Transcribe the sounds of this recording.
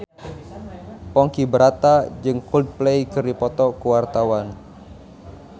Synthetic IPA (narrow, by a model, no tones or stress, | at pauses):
pɔŋkibəɾat̪ad͡ʒɨŋkuld̚plejkɨrdipɔt̪ɔkuwart̪awan